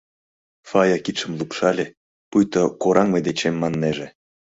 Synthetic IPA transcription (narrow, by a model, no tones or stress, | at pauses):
fɑjɑkip̪ʃə̆mlˠupʃɑlʲe | pujt̪okoɾʔɑŋmed̪et͡ɕemːɑnːeʒĕ